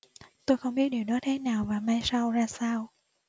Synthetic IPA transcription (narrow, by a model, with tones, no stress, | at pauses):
t̪o˧jxə˧wŋ͡mɓi˦˥ət̚ɗi˨˩əwɗɔ˨˦t̪ʰe˨˦naː˨˩wvaː˨˩maː˧jsa˧wzaː˧saː˧w